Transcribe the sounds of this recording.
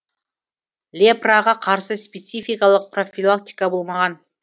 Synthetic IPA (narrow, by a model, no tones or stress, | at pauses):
lʲeprɑʁɑqʰɑɾsəspet̪sifʲijkɑlˠəq̚pro̞fʲilˠak̚t̪ʲijkɑbo̞lˠmɑʁɑn